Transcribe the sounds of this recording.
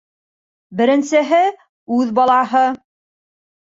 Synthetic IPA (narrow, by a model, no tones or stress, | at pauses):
bɘ̆ɾɘ̆nsɘ̆ɦɘ | ʉðbɑlˠɑɦɤ